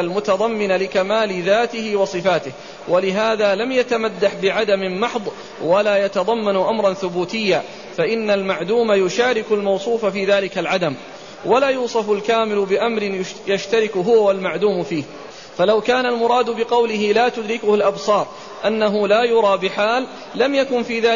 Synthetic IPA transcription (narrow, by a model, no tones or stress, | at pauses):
lmʊt̪ɑðˤɑmːɪnalɪkamaːlɪðaːt̪ɪhɪwɑsˤɨfaːt̪ɪh | walɪɦaːðaːlamjat̪amad̪ːaħbɪʕad̪amɪmɑħðˤ | walaːjat̪ɑðˤɑmːanʊʔamɾˤɑnθʊbuːt̪ɪjːaː | faʔɪnːalmaʕd̪uːmajʊʃaːɾɪkʊlmɑwsˤuːfafiːðaːlɪkalʕad̪am | walaːjuːsˤɑfʊlkaːmɪlʊbɪʔamɾɪnjaʃt̪aɾɪkɦʊwawalmaʕd̪uːmfiːh | falawkaːnalmʊɾˤɑːd̪ʊbɪqɑwlɪɦɪlaːt̪ʊd̪ɾɪkʊhʊlʔabsˤɑːɾˤ | ʔanːaɦʊlaːjʊɾˤɑːbɪħaːlː | amjakʊnfiːðaː